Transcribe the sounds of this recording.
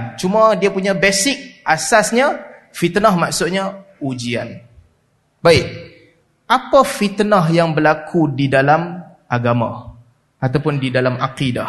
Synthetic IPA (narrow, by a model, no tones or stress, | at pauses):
nt͡ʃumadiapuɲabesɪk̚ʔasasɲa | fit̪nahmaʔsʊt̪̚ɲa | ud͡ʒia̰n | baɪk̚ | ʔapafit̪nəɦjaŋbəlakʰudidalam | ʔaɡama̰h | ʔat̪awpʊndidalamaqida̰h